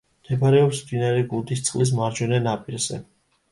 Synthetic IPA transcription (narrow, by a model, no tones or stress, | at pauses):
md̪̥ɛbaɾɛɔpsmd̪inaɾɛɡulˠd̪ist̪sʼqʼlis̬maɾd͡ʒɔnɛnapʼiɾzɛ̰